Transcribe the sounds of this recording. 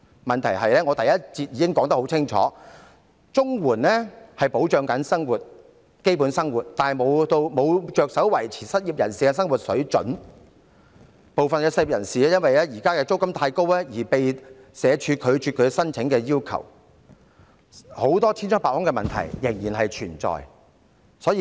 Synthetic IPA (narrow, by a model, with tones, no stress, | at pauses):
mɐ˨nt̪ʰɐ˨˩jɦɐ˨jlɛː˥ŋɔ˨˧t̪ɐ˨jɐ˥t̚t͡si˧t̚jiː˧˥kɪ˥ŋkɔː˨˥ŋt̪ɐ˥ho˨˥wt͡sʰɪ˥ŋt͡ʃʰɔ̰ː˨˦ | t͡sʊ˥ŋwuː˨˩nlɛː˥hɐ˨jpo˨˥wt͡ʃœː˨˧ŋkɐ˨˥nsɐ˥ŋwuː˨t̚ | ke˥jpu˨˥nsɐ˥ŋwuː˨t̚t̪aː˨˩mo˨˧wt̪o˧wmo˨˧wt͡ʃœː˧k̚sɐ˨˥wwɐ˨˩jt͡sʰiː˨˩sɐ˥t̚ji˨p̚jɐ˨˩nsiː˨kɛ˧sɐ˥ŋwu˨t̚sɵ˨˥ɥt͡ʃɵ̰˨˥n | po˨wfɐ˨nkɛː˧sɐ˥t̚ji˨jɐ˨˩nsiː˨ɛ˥jɐ˥nwɐ˨jlɛː˥jiː˨˩kaː˥kɛː˧t͡so˥wkɐ˥mt̪ʰaː˧jko˥wɛ˥jiː˨˩pe˨j | sɛː˨˧t͡ʃʰyː˨˧kʰɵ˨˧ɥt͡ʃʰyː˧kʰɵ˨˧˥sɐ˥nt͡sʰɪ˨˥ŋkɛː˧jiː˥wkʰɐ̰˨˩w | ho˨˥wt̪ɔː˥t̪ʰiː˥nt͡ʃɔ˥ŋpaː˨khʊ˥ŋkɛ˧mɐ˨nt̪ʰɐ̰˨˩jːɪ˨˩ŋjiː˨˩nɦɐ˨jt͡ʃʰyː˨˩nt͡sɔ̰ː˨j | sɔː˨˥jiː˧